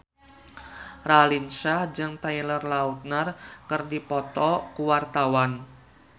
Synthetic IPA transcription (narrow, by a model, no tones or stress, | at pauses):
ralinʃahd͡ʒɨŋt̪ajlərlaut̪̚nərkɨrdipɔt̪ɔkuwart̪awan